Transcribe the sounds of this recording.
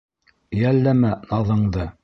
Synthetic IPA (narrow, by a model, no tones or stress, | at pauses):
jælːæmænɑðɤ̆ɴd̪ɤ